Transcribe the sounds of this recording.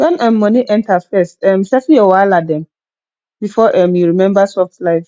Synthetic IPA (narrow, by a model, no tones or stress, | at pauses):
wɛ̃nɛ̃mːɔ̃niʔɛ̃ntʰafɛstɛ̃msɛfijɔwaɪladɛ̃m | bifɔʔɛmjuɹimɛ̃mbasɔftlaɪv